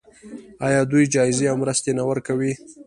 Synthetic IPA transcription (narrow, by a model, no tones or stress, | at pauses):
ɑjɑd̪ujd͡ʒɑɪzeawmɾəst̪enawəɾkawi